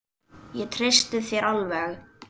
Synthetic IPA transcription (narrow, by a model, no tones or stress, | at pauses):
jɛt̪ʰɾest̪ʏðθjɛɾalvɛɣ